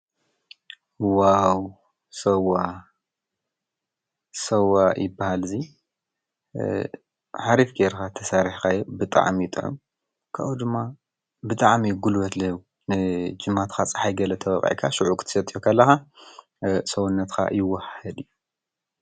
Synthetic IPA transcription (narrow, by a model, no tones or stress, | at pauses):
waw | sɐwːa | sɐwajɪbːahalzi | ħaɾifɡeɾkat̪ʰɐsaɾħkajobɨt̪ʼa̰ʕmjɪt̪ʼɨʕṵm | kʰa̰ud̪ɨmːa | bɨt̪ʼaʕmiɡulwɐt̪lɐwu | nɨd͡ʒɨmːat̪xʰat͡sʼɐ̥ħajɡɐlɐt̪ʰɐwɐkʼʕḭkʰaʃuʕukʰt̪ʰɨ̥sɐt̪ʼijokʰɐlːɐxa | sɐwunːɐt̪kʰa̰jɪwɐhhɐd̪ɨjːu